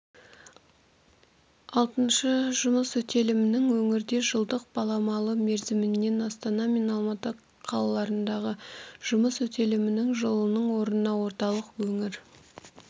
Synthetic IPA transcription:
ɑlˠt̪ənʃəʒʊməswɵt̪ʰe̞lɪmɪnɪŋwɵŋɪɾd̪e̞ʒəlˠd̪əq̚b̥ɑlˠɑmɑlˠəme̞ɾzɪmɪnːe̞nɑst̪ɑnɑmʲe̞nɑlˠmɑt̪ə | qʰɑlˠɑlˠɑɾənd̪ɑʁəʒ̥ʊməswɵt̪ʰe̞lɪmɪnɪŋʒəlˠənəɴwo̞ɾənənɑwo̞ɾt̪ɑlˠəqwɵŋɪɾ

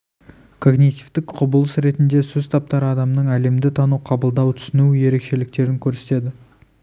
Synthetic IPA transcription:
kʰo̞ɡnit̪ivt̪ɪkqʰʊbəlˠəsɾe̞t̪ɪnd̪e̞sɵzt̪ʰɑp̚t̪ɑɾəɑd̪ɑmnəɴæle̞md̪ɪt̪ʰɑnuqʰɑbəlˠd̪ɑwt̪ʰʏ̥sɪnuje̞ɾe̞kʃe̞lɪk̚t̪e̞ɾɪŋkʲʰɵɾse̞t̪e̞d̪ɪ

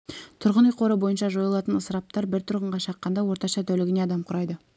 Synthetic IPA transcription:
t̪ʰʊɾʁənijqʰo̞ɾəbo̞jənʃɑʒo̞jɑlˠɑt̪ənəsəɾɑp̚t̪ɑɾbɪɾt̪ʰʊɾʁəɴʁɑʃɑqːɑnd̪ɑwo̞ɾt̪ɑʃɑt̪ʰɵlɪɡʲɪne̞ɑd̪ɑmqʰʊɾɑjd̪ə

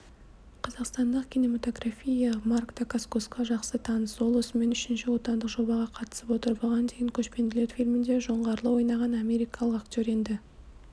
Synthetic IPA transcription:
qʰɑzɑqst̪ɑnd̪əqkʲʰine̞mat̪o̞ɡrafʲijamarkd̪akaskosqɑʒɑqsət̪ʰɑnəso̞lˠəsme̞nʏʃɪnʃɪwo̞t̪ɑnd̪əqʒo̞bɑʁɑqʰɑt̪ə̥səpwo̞t̪əɾbɑʁɑnd̪eɡʲɪŋkʲʰɵʃpe̞nd̪ɪle̞ɾfilʲmɪnd̪e̞ʒo̞ɴʁɑɾlˠəwo̞jnɑʁɑnɑmʲe̞ɾijkɑlˠəqakt̪ʲjo̞ɾe̞nd̪ɪ

